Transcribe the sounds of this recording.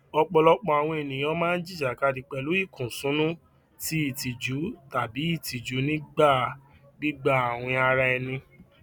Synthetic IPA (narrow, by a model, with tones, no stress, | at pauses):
ɔ˧k͡pɔ˧lɔ˦k͡pɔ˧a˨w̃ɔ̃˧e˨nĩ˨j̃ã˧˦mãː˦n̩˦d͡ʒi˦˨d͡ʒa˨ka˧di˨˧k͡pɛ˧˨lu˨˦i˦˨kũ˨sũ˨˦nũ˦ | ti˦i˦˨ti˨d͡ʒu˨˦ta˨bi˨˦i˦˨ti˨d͡ʒu˨˦nĩ˦ɡ͡ba˦˨ | ɡ͡bi˦ɡ͡ba˦˨a˨w̃ɔ̃˧a˧ɾa˧ɛ˧nĩ˧